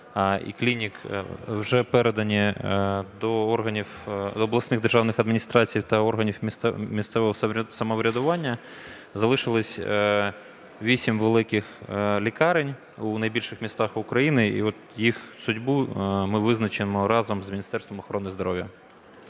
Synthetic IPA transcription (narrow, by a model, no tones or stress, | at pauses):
ḭklʲinʲikwʒɛpɛɾed̪ɐnʲi | d̪ɔɔrɦɐnʲiwd̪ɔːblˠɐsnɪɣd̪erʒɑwnɪxɐd̪mʲinʲist̪ɾɑt͡sʲijiwt̪ɐɔrɦɐnʲiwʲmʲist̪sɛʋɔɦɔsɐmɐʋɾʲɐd̪ʊʋɑnʲːɐ | zɐlˠɪʃɪlˠɪsʲ | ʋʲisʲimʋelˠɪkɪxlʲikɑɾenʲ | unɐjbʲilʲʃɪxmʲist̪ɑxʊkɾɐjinɪḭɔt̪jixsʊdʲbumɪʋɪznɐt͡ʃɪmɔɾɑzɐmzmʲinʲist̪ɛrst̪ʋɔmɔxɔɾɔnɪzd̪ɔɾɔʋʲjɐ